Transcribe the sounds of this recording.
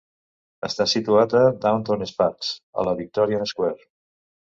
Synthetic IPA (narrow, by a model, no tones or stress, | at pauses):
əst̪asit̪uat̪əd̪awnt̪onesfat̪sə̰ləβik̚t̪ɔɾiəðəskwɛɾ